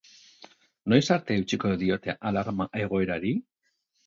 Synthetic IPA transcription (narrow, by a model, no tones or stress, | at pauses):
nojsaɾt̪ewt͡ʃikoeðiot̪eaʔalaɾmaʔeɣoeɾaɾi